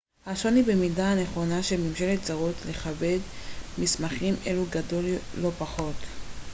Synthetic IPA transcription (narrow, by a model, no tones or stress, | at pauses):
haʃo̞nibe̞midaane̞χo̞naʃemimʃe̞letzaʁotle̞χabe̞dmismaχime̞̰luɡado̞lːo̞paχo̞t